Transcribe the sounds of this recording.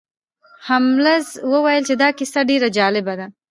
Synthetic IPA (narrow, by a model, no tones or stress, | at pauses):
hamlazwəwajəlt͡ʃed̪ɑkɪsaɖeɾad͡ʒɑlɪbad̪a